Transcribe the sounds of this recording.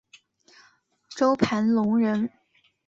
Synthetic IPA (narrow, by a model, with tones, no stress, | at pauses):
ʈ͡ʂo˥ʊpʰa˧˥nlʊ˧˥ŋɻə˧˥n